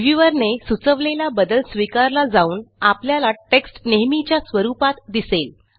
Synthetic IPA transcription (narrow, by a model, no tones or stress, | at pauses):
ʋiʋəɾnesut͡səʋlelabəd̪əlsʋikaɾlad͡zauːnapljalaʈeksʈneɦmit͡ɕjasʋəɾupat̪d̪isel